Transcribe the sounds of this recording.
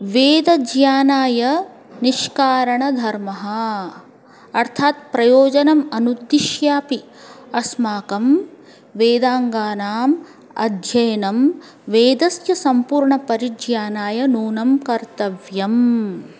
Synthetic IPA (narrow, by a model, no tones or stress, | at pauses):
ʋeːd̪ɐd͡ʒjaːnaːjɐ | niʃkaːɾɐɳɐd̪ʱɐɾmɐɦɐ | ɐɾt̪ʰaːt̪̚pɾɐjoːd͡ʒɐnɐmɐnud̪ːiʃjaːpi | ɐsmaːkɐm | ʋeːd̪aːŋɡaːnaːm | ɐ̰d̪ʱjɐjɐnɐm | ʋeːd̪ɐsjɐsɐmpuːɾɳɐpɐɾid͡ʒjaːnaːjɐnuːnɐmkɐɾt̪ɐʋjɐm